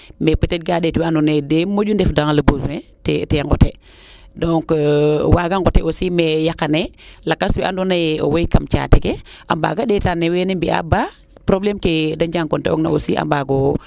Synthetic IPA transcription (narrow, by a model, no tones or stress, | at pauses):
mepitet̚ɡaɗetwiandunedemod͡ʒundefdaŋaləbosuneteteŋɡote | doŋkwaɡaŋɡoteosimejakanelakːaswiʔa̰ndunajo̰wojkamt͡ʃa̰tekeʔa̰mba̰ɡaɗetanːewenimbia̰ba | pɾoblemkedad͡ʒaŋkontḛo̰kna̰osiʔa̰mbaɡo